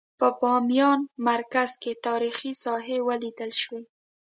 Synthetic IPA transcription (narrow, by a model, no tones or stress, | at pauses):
pəbɑmjɑnmaɾkaz̥ket̪ɑɾixisɑɦewəlid̪əlʃwe